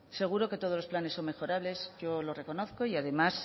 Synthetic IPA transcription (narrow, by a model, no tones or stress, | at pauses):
se̞ɣ̞uɾo̞ke̞t̪o̞ð̞o̞lo̞splanesːo̞mme̞xo̞ɾaβle̞zʝo̞lo̞re̞ko̞no̞θko̞iaðe̞mas